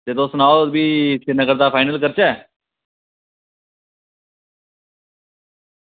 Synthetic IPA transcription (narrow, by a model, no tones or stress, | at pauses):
t̪eːt̪õːsʊnaːobiːsenəɡəɾd̪aːpʰaːɪnəlkəɾt͡ʃɛː